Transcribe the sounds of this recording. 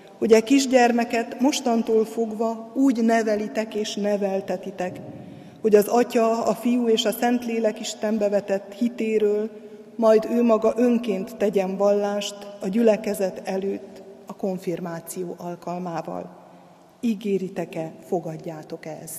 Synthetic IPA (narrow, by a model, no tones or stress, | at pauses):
ho̞ɟɛkiʒɟɛrmɛkɛt̪mo̞ʃt̪ɒnt̪oːlfo̞ɡvɒuːɟnɛvɛlit̪ɛkeːʃnɛvɛlt̪ɛt̪it̪ɛk | ho̞ɟɒzɒcɒɒfijuːeːʃɒsɛnt̪leːlɛkiʃt̪ɛmbɛvɛt̪ɛt̪ːhit̪eːɾøːl | mɒjd̪øːmɒɡɒʔø̞ŋkeːnt̪ːɛɟɛɱvɒlːaːʃt̪ɒɟylɛkɛzɛt̪ɛløːt̪ːɒko̞ɱfirmaːt̪sijoːʔɒlkɒlmaːvɒ̰l | iɡeːɾit̪ɛkɛfo̞ɡɒɟːaːt̪o̞kɛ̰z̥